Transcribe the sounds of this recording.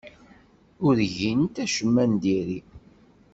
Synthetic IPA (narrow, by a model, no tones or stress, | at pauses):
ʊɾʝint̪æʃəmːænd̪iɾi